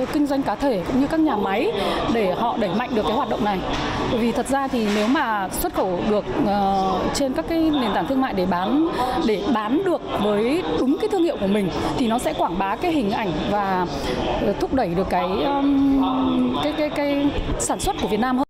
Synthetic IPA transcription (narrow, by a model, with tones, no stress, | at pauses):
kï˧ŋ̟zwa˧jŋ̟kaː˨˦t̪ʰe˧˩kʊ̰˧˥ŋ͡mɲɨ˧kaː˦˥k̚ɲaː˨˩ma˨˦jɗe˧˩hɔ̰˧˨ɗə˧˩jma̰˧˨jŋɗɨ˨˩əkːaː˨˦jwaː˨˩ɗə˧˨wŋ͡mna˨˩jɓo˧˩jvi˨˩t̪ʰə˨˩t̚zaː˧t̪ʰi˨˩ne˨˦wmaː˨˩swə˦˥t̚xə˧˩wɗɨ˨˩ək̚ːt͡ɕe˧nkaː˦˥kːaː˨˦jne˨˩nt̪aː˧˩nt̪ʰɨ˧əŋma̰ː˧˨jɗe˧˩ɓaː˨˦nɗe˧˩ɓaː˨˦nɗɨ˨˩ək̚vəː˨˦jɗʊ˨˦ŋ͡mkaː˨˦t̪ʰɨ˧əŋhḭ˧˨wku˧˩əmï˨˩ŋ̟t̪ʰi˨˩nɔ˨˦sɛ̰˧˥kwaː˧˩ŋɓaː˨˦kaː˨˦jɦï˨˩ŋ̟ʔa˧˩jŋ̟vaː˨˩˨ | t̪ʰʊ˦˥k͡p̚ɗə˧˩jɗɨ˨˩əkːaː˨˦j | kaː˨˦jkaː˨˦jkaː˨˦jsaː˧˩nswə˦˥t̚ku˧˩vət̚naː˧mhəː˧n